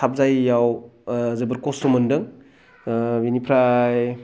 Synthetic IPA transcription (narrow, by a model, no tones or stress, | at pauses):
ap̚zajːawzɯbɐɾkosumɯndɯŋ | binipʰɾaj